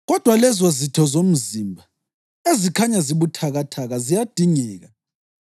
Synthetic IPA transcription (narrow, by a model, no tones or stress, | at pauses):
ɣɔd̥ʱwalɛzɔzitʰɔzom̩zimbʱa | ezikʰaɲaziβutʰaɣatʰaɣazijad̥ʱiŋɛːɣa